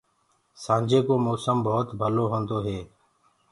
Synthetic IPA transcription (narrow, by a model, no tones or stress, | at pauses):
sãːnd͡ʒeːkoːmoːsəmbɔːt̪bʱəloːɦõːnd̪oːɦeː